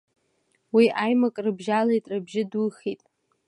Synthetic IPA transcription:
wiʔajmakʼrɨbʒalejtʼrɨbʒɪduχitʼ

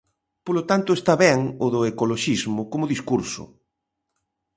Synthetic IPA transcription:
polot̪ant̪ʊest̪aβɛŋʊðʊekoloʃizmʊkomʊðiskuɾsʊ̰

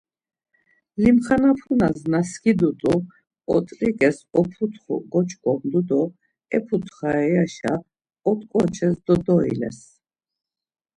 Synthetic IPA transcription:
limχanapʰunaznaskʰid̪ut̪ʼu | ɔt̪ʼɾʼikʼɛsɔpʰut̪ʰχɔ̰ɡɔt͡ʃʰkʼɔmd̪ud̪ɔ | ɛpʰut̪χaɛaʃa̰ | ɔt̪ʼkʼɔt͡ʃʰɛsd̪ɔd̪ɔḭlɛ̰s

